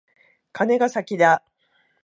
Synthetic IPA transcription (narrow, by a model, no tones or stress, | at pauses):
kʰane̞ɡasakʲid̪a